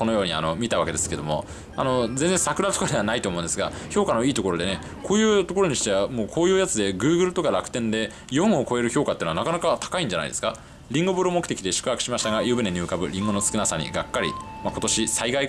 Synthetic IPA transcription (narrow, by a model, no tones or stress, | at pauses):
ko̞no̞jo̞ːɲ̟ia̰no̞mʲit̪aβa̰ke̞d̪e̞sɨ̥ke̞d̪o̞̰mo̞̰ | a̰no̞d͡zẽnd͡zẽsakɯ̟ɾat̪okad̪e̞βanait̪oːmõ̞nd̪esɨɡaço̞ːkano̞iːt̪o̞ko̞ɾo̞d̪e̞ne̞ | ko̞ːjɯ̟ːt̪o̞ko̞ɾo̞ɲ̟iɕi̥t̪e̞βamoːkʰo̞ːjɯ̟ːjat͡sɨd̪e̞ɡɯ̟ːɡɯ̟ɾɯ̟t̪o̞kaɾakɯ̟̥t̪ẽ̞nd̪e̞ | jõ̞ɰ̃o̞ko̞e̞ɾɯ̟ço̞ːkat̪ːeːnanakanakat̪ḁkaĩɲ̟d͡ʑana̰id̪sɨ̥ka | ɾʲĩŋɡobɯɾɯomokɯ̟t̪ekʲid̪e̞ɕɨ̥kɯ̟ɦakɯ̥ɕimaɕi̥t̪aɡajɯːbɯ̟neɲ̟ɨ̟ːkabɯ̟ɾʲĩŋɡo̞no̞sɨ̥kɯ̟nasaɲ̟ḭɡakːaɾʲḭmako̞t̪o̞ɕisaiɡai